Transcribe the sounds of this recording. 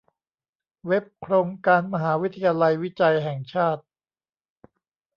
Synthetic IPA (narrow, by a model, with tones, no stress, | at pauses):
we˦˥p̚kʰɾoː˧ŋkaː˧nma˧ɦaː˩˦wi˦˥t̪ʰːa˧jaː˧la˧jwi˦˥t͡ɕa˧jɦɛː˨˩ŋt͡ɕʰaː˥˩t̪̚